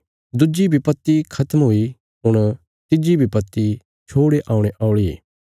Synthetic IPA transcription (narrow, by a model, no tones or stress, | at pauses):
d̪ʊd͡ʒibʱipət̪ːikʰɐt̪əmɦoːi | ɦʊɽ̃ | t̪ɪd͡ʒibʱipət̪ːi | t͡ʃʰoːɽeʔaːũɽ̃eʔaːʊɭiḛː